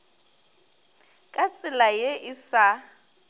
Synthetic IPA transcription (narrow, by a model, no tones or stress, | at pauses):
kʼat͡sʼɪlajeʔɪsa